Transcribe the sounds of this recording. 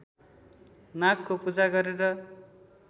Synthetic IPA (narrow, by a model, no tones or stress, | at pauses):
nakːopud͡zaɡʌɾeɾʌ